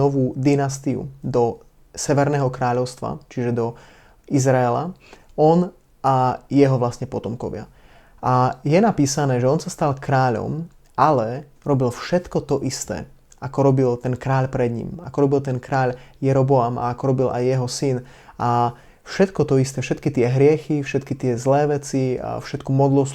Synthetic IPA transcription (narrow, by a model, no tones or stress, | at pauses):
ɔʋuːd̪inast̪iṵd̪ɔ | sɛʋɛɾnɛːɦɔkɾaːʎɔʊst̪ʋa̰t͡ʃiʒɛd̪ɔ | izɾaɛla̰ɔn | ajɛɦɔʋlasɲɛpɔt̪ɔmkɔ̰ʋɪa̰ | ʔajɛnapiːsanɛːʒɛɔnsast̪alkɾaːʎɔ̰m | ʔalɛ | ɾɔbilfʃɛt̪kɔt̪ɔʔist̪ɛ̰ː | ʔakɔɾɔbilt̪ɛnkɾaːʎpɾɛd̪ɲḭmakɔɾɔbilt̪̬ɛnkɾaːʎjɛɾɔbɔama̰akɔɾɔbilʔa̰jːɛɦɔsin | a | fʃɛt̪kɔt̪ɔist̪ɛːfʃɛt̪kit̪ɪɛɦɾɪɛxifʃɛt̪kit̪ɪɛzlɛːʋɛt͡sia̰fʃɛt̪kumɔd̪lɔs